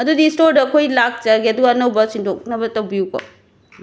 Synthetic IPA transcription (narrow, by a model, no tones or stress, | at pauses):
ɐdudistoɾdɐkʰojlak̚ʰt͡ʃaɡeɐduɡɐnɐwbɐsindok̚nɐbɐtɐwbiukɐ̰